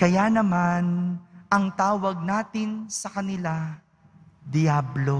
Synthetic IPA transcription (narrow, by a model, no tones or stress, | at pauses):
kɐjaːnɐmanɐŋt̪aːwɐɡ̚naːt̪ɪnsɐkɐnɪla | d̪ɪjaːblo̞